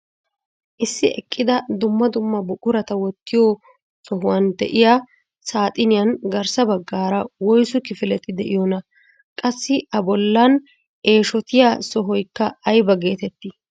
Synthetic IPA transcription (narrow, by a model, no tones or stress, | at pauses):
ʔɪsːɪɛ̰kʼːɪd̪ɐd̪ʊmːɐd̪ʊmːɐbʊkʼʊɾɐt̪ɐwɔt̪ːɪjɔ | sɔɦʊwɐnd̪ɛ̰ʔɪja | saːt̪ʼɪnɪjɐnɡɐɾsɐbɐɡːaːɾɐwɔjsʊkɪfɪlɛt̪ɪd̪ɛʔɪjɔnɐ | kʼɐsːɪʔɐbɔlːɐn | ʔe̞ːʃɔt̪ɪjasɔɦɔjkːɐɐjbɐɡe̞ːt̪ɛt̪ːɪ